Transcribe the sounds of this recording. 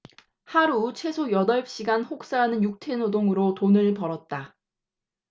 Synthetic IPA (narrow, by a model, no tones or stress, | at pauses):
haɾut͡ɕʰwe̞sʰojʌdʌɭɕ͈iɡanɸok̚s͈aɦanɯnjuk̚tʰe̞nodoŋɯɾotonɯɭpʌɾʌt̚t͈a